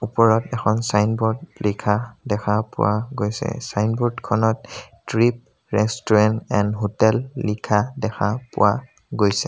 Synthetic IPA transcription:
upɔɹɔtɛkʰɔnsajnbɔɹdlikʰadɛkʰapʊ̰waɡojsɛ̰sajnbɔɹdkʰɔnɔttɹip̚ | ɹɛstɔɹɛntɛndɦotɛlːikʰadɛkʰapʊ̰wa | ɡojsɛ

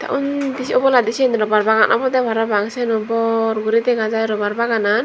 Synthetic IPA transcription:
t̪a̰ʔund̪isiɔbɔlad̪isinɾɔbarbaɡanʔa̰bɔt̪ɛbaɾabaŋsɛnɔbɔrɡuɾit̪ɛɡad͡ʒaiɾɔbarbaɡanan

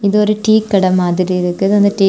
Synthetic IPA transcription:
iðoɾɯʈiːkːɐɽɐmaːðɪɾiɪɾɯkːɐðɯɐnd̪ɐʈiː

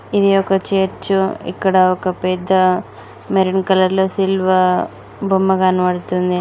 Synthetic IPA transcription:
id̪iɔkɐt͡ʃeːɾt͡ʃuḭkːɐɽɐɔkɐpɛd̪ːɐ | meɾinkɐlɐɾloːsilʋɐ | bʱumːɐɡaːnuʋɐɽut̪und̪i

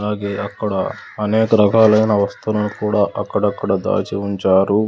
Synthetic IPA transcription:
laːɡeɐkːɐɽɐɐneːkɐɾɐɡʱaːlɐjɐnɐʋɐst̪unɐnukuːɽaːʔɐkːɐɽɐkːɐɽɐd̪a̰ːt͡ʃiuɲt͡ʃaːɾu

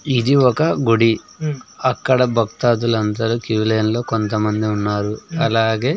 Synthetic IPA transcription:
id̪iɔkɐɡuɽi | ɐkːɐɽɐbʱɐk̚t̪aːt̪ulɐnt̪ɐɾuːkjuːleːnlo̞ːkont̪ɐmɐnd̪iunːaːɾuɐlaːɡe̞ː

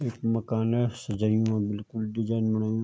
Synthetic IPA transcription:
eːkmɐkaːnɛsɐd͡ʒaːijũãbɪlkʊlɖɪd͡ʒaːɪnmɐɽaːjũ

